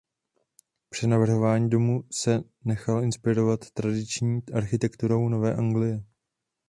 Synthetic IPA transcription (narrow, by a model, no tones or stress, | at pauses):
pr̥ɛnavr̩ɦo̞vaːɲiːdo̞musɛ | nɛxalɪnspɪɾo̞vat̪ːɾadɪt͡ʃɲiːʔaɾxɪt̪ɛkt̪uɾo̞wno̞vɛːʔaŋɡlɪjɛ